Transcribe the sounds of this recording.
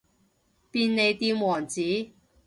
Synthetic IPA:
piː˧nne˨˧jt̪iː˧mwɔː˨˩ŋt͡siː˨˥

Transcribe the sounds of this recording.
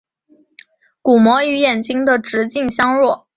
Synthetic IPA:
ku˨˩mwɔ˧˥y˧˥jɛ˨˩nt͡ɕi˥ŋd̪ə˨ʈ͡ʂɻ̩˧˥t͡ɕi˥˩ŋɕjɑ˥ŋɻwɔ˥˩

